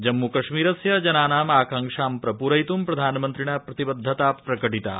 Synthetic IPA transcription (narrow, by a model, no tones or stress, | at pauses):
d͡ʒɐmːukɐʃmiːɾɐsjɐd͡ʒɐnaːnaːmaːkɐŋkʂaːmpɾɐpuːɾɐjt̪umpɾɐd̪ʱaːnɐmɐnt̪ɾiɳɐpɾɐt̪ibɐd̪ʱːɐt̪aːpɾɐkɐʈit̪a̰ː